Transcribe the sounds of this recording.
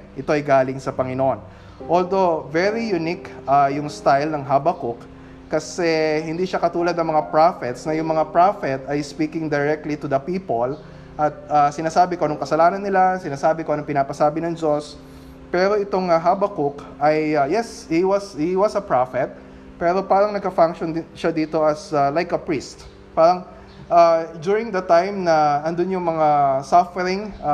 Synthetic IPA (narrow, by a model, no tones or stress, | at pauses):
ʔɪt̪o̞ʔɐjɡaːlɪŋsɐpɐŋɪnoʔon | ʔold̪o̞vɛɹijʊnikʔajʊŋst̪ajlnɐŋɦabɐkʊkː | ɐsɛhɪnd̪iːʃɐkɐt̪uːlɐd̪nɐŋmɐŋapɹafɛt̪snɐjʊŋmɐŋapɹafɛt̪ɐjspiːkɪŋd̪ɐɹɛk̚t̪lit̪ʊd̪ɐpiːpol | ʔɐt̪̚asɪnaːsaːbɪkonʊŋkɐsɐlaːnɐnːɪlasɪnaːsaːbɪkonɐŋpɪnaːpɐsaːbɪnɐŋd͡ʒos | pɛːɾo̞ʔɪt̪o̞ŋɐɦabɐkʊk | ɐjɐjɛshiwɐshiwɐsɐpɹafɛt̪̚ | pɛːɾo̞paːɾɐŋnɐɡ̚kɐfaŋkʃond̪ɪʃad̪iːt̪o̞ʔɐsalajkɐpɹist̪̚ | paːɾɐŋ | ʔad͡ʒ̪uɹɪ̃ŋd̪ɐt̪ãjmnɐɐnd̪onjʊŋmɐŋasɐfɛɾɪŋ